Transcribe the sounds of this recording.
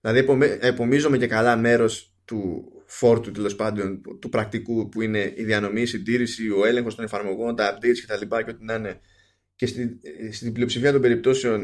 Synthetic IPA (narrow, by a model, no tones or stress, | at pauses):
ilɐðiepomeepo̞mizo̞me̞ce̞kɐlɐme̞ɾo̞s | t̪ufo̞ɾt̪ut̪elo̞spɐnd̪o̞nt̪upɾɐk̚t̪ikupuine̞iðiɐno̞misind̪iɾisio̞e̞le̞ŋxot̪o̞nefɐɾmo̞ɣo̞nt̪ɐːp̚d̪et̪scet̪ɐlipɐceot̪inɐne̞ | cest̪ist̪iblio̞psifiɐt̪o̞mbe̞ɾip̚t̪o̞se̞o̞n